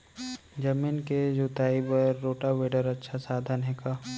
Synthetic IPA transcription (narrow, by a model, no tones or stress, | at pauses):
d͡ʒɐmiːnked͡ʒut̪aːibəɾːoːʈaʋeːɖəɾɐtːʃʰasaːd̪ʱanɦeːkaː